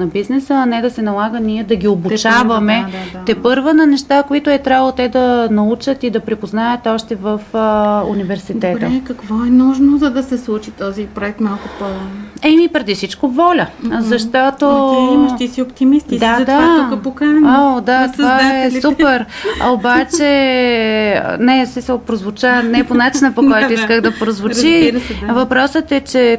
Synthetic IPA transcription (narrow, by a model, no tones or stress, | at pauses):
nɐbiznɛsəɐnɛd̪ɐsɛnɐlˠaɡəniɛd̪ɐɡʲiobut͡ʃavɐmɛt̪ɛpɤɾvənɐnɛʃt̪akoit̪oɛt̪ɾʲavəlˠot̪ɛd̪ɐnɐut͡ʃət̪id̪ɐpɾipoznajət̪ɔʃt̪ɛvəfunivɛɾsit̪ɛt̪əkɐkvɔɛnuʒnozɐd̪ɐsɛslˠut͡ʃit̪ɔzipɾoɛk̚t̪malˠkʊpɔzɛmipɾɛd̪isit͡ʃkovɔlʲəzɐʃt̪ɔt̪oimɐʃt̪isiopt̪imist̪id̪atd̪aɐpokaod̪at̪ovaɛupɛɾobat͡ʃɛ | nɛsmisəlˠpɾozvʊt͡ʃanɛponat͡ʃinəpokɔjt̪oiskəɣd̪ɐpɾozvʊt͡ʃiɾvɐpɾɔsət̪ɛt͡ʃɛ